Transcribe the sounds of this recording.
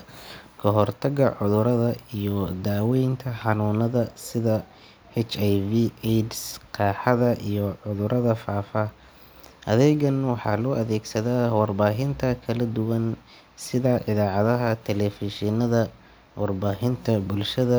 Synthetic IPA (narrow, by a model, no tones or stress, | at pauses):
kʰɐɦɔrt̪ʰɐɡɐʕʊðʊɾɐðɐijɔd̪aːwɛjnt̪ʰɐħɑnuːnɐðɐsɪðɐ | hɛt͡ʃajviɛdsqɑːħɑðɐʔijɔʕʊðʊɾʔɐðɐfaːfa | ʔɐðɛjɡɐnwɑħɑ̰ːlɔːʔɐðɛːɡsɐðaːwɑrbaːɦɪnt̪ʰɐkʰɐlɐd̪ʊwɐn | sɪðaʔɪðaːʕɑðɐɦɐt̪ʰɛlɛfɪʃɪnɐðɐ | wʔɑrbaːɦɪnt̪ʰɐbʊlʃɐðɐ